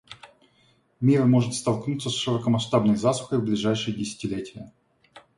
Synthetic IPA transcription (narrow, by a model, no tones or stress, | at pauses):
mʲiɾmo̞ʐɨt̪st̪ɐlˠknut̪səsʂɨɾəkəmɐʂt̪abnəjzasʊ̥xəjvblʲɪʐajʂɨjədʲɪsʲɪ̥tʲɪlʲetʲɪjə